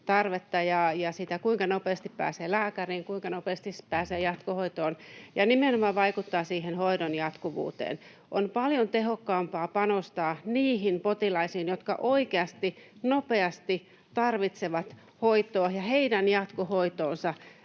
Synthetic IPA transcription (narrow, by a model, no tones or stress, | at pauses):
t̪ɑrʋet̪ːɑjɑjɑsit̪ækuiŋkɑnopeːst̪ippæ̰ːseːlæːkæriːŋkuiŋkɑnopeːst̪ispæːseːjɑt̪kohoit̪oːnjɑnimenomɑʋʋɑikut̪ːɑːsiːɦenhoidonjɑt̪kuʋṵːt̪ḛːn | ʔonpɑljont̪eɦokːɑːmpɑːpɑnost̪ɑːniːɦinpot̪ilɑisiːnjot̪kɑ̰ʔoikeɑst̪inopeɑst̪i | t̪ɑrʋit̪seʋɑt̪ | hoit̪ˑoːjɑheidænjɑt̪kohoit̪oːnsɑ